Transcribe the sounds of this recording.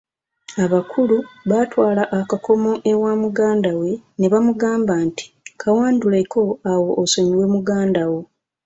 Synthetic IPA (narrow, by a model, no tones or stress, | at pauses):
aβakʰuluβatwaːlaʔːkako̞mo̞ʔewaːmuɡaːndawe̞ne̞βamuɡaːmbanti̥kʰawaːndulekʰo̞awo̞ʔːsomiwe̞muɡaːndawo̞